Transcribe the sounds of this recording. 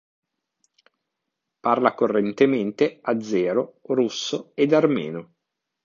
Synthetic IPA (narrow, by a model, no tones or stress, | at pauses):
parlakorːent̪ement̪ead̪zːɛːɾorusːoed̪armɛ̰ːno